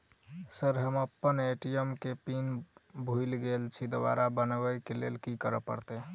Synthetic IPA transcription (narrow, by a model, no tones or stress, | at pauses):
səɾɦəməpːəneʈijəmkepinbʱujlɡelt͡ʃʰid̪ʋa̰ɾabənʋəjkelḛlkikəɾəpə̰ɾt̪e